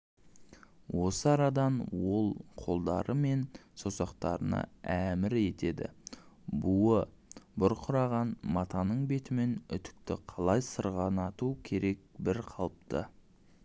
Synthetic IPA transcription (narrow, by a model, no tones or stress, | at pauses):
wʔo̞səɑɾɑd̪ɑnwo̞lˠqʰo̞lˠd̪ɑ̰ɾəme̞nsosɑqt̪ɑɾənɑ̰æmɪɾe̞t̪e̞d̪ɪ̰buə | bʊɾqʰʊɾɑʁɑnmɑt̪ɑnəɴbe̞t̪ɪme̞nʏt̪ɪ̥k̚t̪ɪqʰɑlˠɑjsəɾʁɑnɑt̪ukʲʰe̞ɾe̞k̚bɪɾqʰɑlˠp̚t̪ə̰